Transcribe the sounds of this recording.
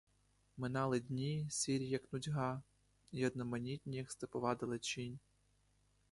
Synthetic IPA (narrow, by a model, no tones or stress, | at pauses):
mɪnɑlˠɪdʲnʲisʲiɾʲjɐknʊdʲɦɑ | iɔd̪nɔmɐnʲitʲnʲijɐkst̪ɪpɔʋɑd̪ɪlˠɪt͡ʃinʲ